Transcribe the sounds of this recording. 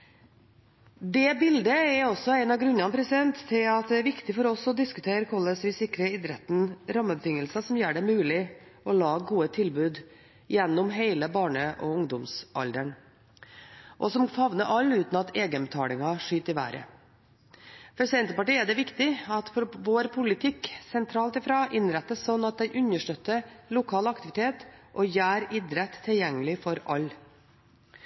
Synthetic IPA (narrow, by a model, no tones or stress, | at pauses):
d̪ɛbɪld̪əɛɾɔsːɔɛɪnɑɡɾʉnːɑnpʰɾɛsɪd̪ɛnt̪ʰːɪlɑt̪̚d̪ɛæɾʋɪkt̪ɪfɔɾɔsɔd̪ɪskʉt̪ʰeːɾkʰɔlːəsʋɪsɪkɾəɪd̪ɾɛt̪n̩ɾɑmːəbət̪ɪŋːəlsɑsɔmjøːɖɛmʉːlɪɔlɑːɡuːət̪ʰɪlbʉːd̪ | jɛnːʊmɦeɪləbɑːɳəʔɔʊŋd̪ʊmsʔɑ̰ld̪əɳ | ʔɔsɔmfɑʋnəʔɑlːʉːt̪nɑt̪eːɡəbət̪ʰɑːlɪŋɑʂyːt̪ɪʋæ̰ːɾʔə̰ | fɔɾsɪɛnt̪əpɑʈiːɛd̪ɛʋɪkt̪ɪɑt̪fɔɾʋoːɾpʰʊlɪt̪ʰɪksɛnt̪ʰɾɑːlt̪ɪfɾɑːʔɪnɾɛt̪ːəssɔnːɑt̪̚d̪ɛɪʔʉnəʂʈœt̪ːəlʊkʰɑːlɑkt̪ɪʋɪt̪ʰeːt̪ʔɔjæːɾɪd̪ɾɛt̪ʰːɪljɛŋːəlɪfɔɾɑlː